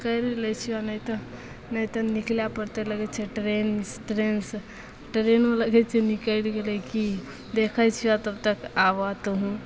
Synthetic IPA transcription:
kəjɾelɛt͡ʃʰianəjt̪ə | nət̪ənikljapəɾt̪eləɡɛt͡ʃʰɛʈɾensʈɾens | ʈɾenoləɡɛt͡ʃʰɛnikəɽɡelɛki | d̪ekʰət͡ʃʰiat̪əb̚t̪əkaʋat̪ɦũ

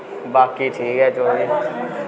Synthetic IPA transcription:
baːkiːʈʰiːkɦɛːt͡ʃoːɾiː

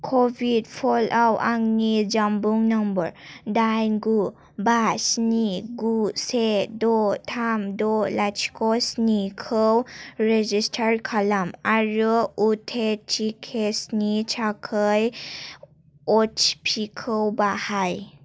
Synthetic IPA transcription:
kʰobʱidpʰɔlʔawaŋnid͡ʒambuŋnambəɾdajnɡu | basniɡusedɔtʰamdɔlat͡ʃkɔsnikʰəwɾed͡ʒistʰaɾkʰalamaɾɔutʰet͡ʃikʰesnit͡ʃʰakʰəj | ɔt͡ʃpʰikʰəwbahaj

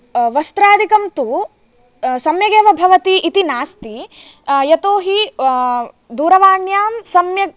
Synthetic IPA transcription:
ʋɐst̪ɾaːd̪ʱikɐmt̪u | sɐmjɐɡeːʋɐbʱɐʋɐt̪iʔːt̪inaːst̪i | jɐt̪oːɦi | d̪uːɾɐʋaːɳjaːmsɐmjɐ

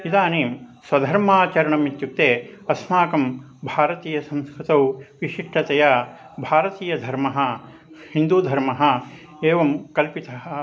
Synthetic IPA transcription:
id̪aːneːmswɐd̪ʱɐɾmaːt͡ʃɐɾɐɳɐmit̪juk̚t̪eːɐsmaːkɐm | bʱaːɾɐt̪iːjɐsɐ̃mskɾit̪ɐwʋiʂiʂʈʰɐt̪ɐjɐ | bʱaːɾɐt̪iːjɐd̪ʱɐɾmɐɦɐ | hind̪uːd̪ʱɐɾmɐɦɐ̆ | eːʋɐmkɐlpit̪ɐɦɐ̆

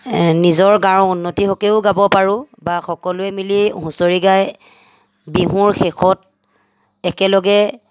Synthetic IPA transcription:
nizɔɹɡaɹɔunːotiɦɔkeʊɡabɔpaɹʊ | baxɔkɔlʊɛmiliɦũsoɹiɡaj | biɦuɹxɛxʰɔt̚ | ɛkɛlɔɡɛ

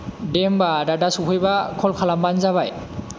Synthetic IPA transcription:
dembadadasupʰɯjbakʰɔlkʰalambanzaβaj

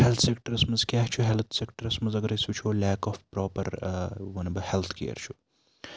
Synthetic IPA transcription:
helt̪ʰsek̚ʈɐɾɐsmɐzkʲjaːɦt͡ʃʰuɦelt̪ʰsekʈɐɾɐsmɐnzɐɡɐɾɐsut͡ʃʰolɛːkɔːfpɾɔːpɐ̰ɾʋɐnɐbɐhelt̪ʰkḛːɾt͡ʃʰu̥

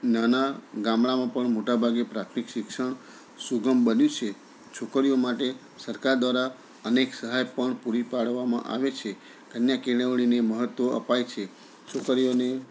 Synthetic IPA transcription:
nanaɡãmɭamãpəɳmoʈabʱaɡepɾat̪ʰmikʃɪkʃəɳ | suɡəmbənjũt͡ʃʰe | t͡ʃʰokəɾijomaʈe | səɾkaɾd̪ʋaɾa | əneksəɦajpəɳpuɾipaɽʋamã̰ʔa̰ʋet͡ʃʰe | kənjakeɳ̃əʋɭ̃ineməɦət̪oʔə̰pajt͡ʃʰe | t͡ʃʰokəɾijone

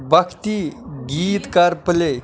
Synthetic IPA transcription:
bəkʰt̪iɡiːt̪kaɾpəle

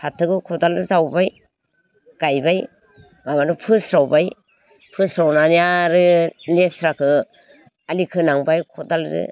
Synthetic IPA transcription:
sʰatʰːɯɡɯkʰɔdaldɯzawbaj | ɡ̥ajbaj | mamaɾɯpʰɯsɾawbaj | pʰɯsɾawnanijaɾɯlesɾakʰɯ | alikʰɯnaŋbajkʰɔdalzɯ̰

